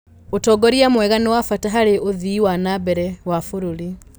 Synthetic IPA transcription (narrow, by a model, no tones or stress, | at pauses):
otɔːɡɔɾiamwɛɣanewafataɦaɾeʔoðiːwanabɛɾɛwafoɾuɾi